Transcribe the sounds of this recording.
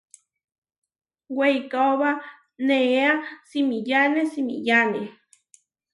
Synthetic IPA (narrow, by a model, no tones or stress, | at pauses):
wejkaoβa | neeasimijanesimḭjane